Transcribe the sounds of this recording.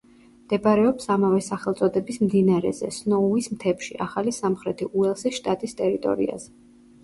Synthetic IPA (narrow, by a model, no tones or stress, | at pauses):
md̪̥ɛbaɾɛɔpsamavɛsaχɛlˠt̪sʼɔd̪ɛbismd̪inaɾɛ̰zɛ̰snɔuismt̪ʰɛpʃiʔaχalisamχɾɛt̪ʰiʔuɛlˠsiʃt̪ʼat̪ʼist̪ʼɛɾit̪ʼɔ̰ɾḭa̰z̥ɛ